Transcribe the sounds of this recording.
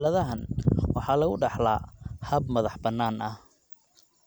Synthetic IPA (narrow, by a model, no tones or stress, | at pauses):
lɐðɐɦɐnwɑħɑːlɐɣʊɖɑħlaːhɐbmɐðɑħbɐnːaːnɐh